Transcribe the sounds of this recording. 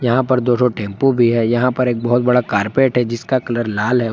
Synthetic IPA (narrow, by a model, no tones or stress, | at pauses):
jɐɦãpɐɾd̪oːsoʈẽːmpobʱiɦɛjɐɦãpɐɾeːk̚bɐɦʊt̪̚bɐɽakaːɾpeːʈɦɛd͡ʒɪskakɐləɾlaːlɦɛ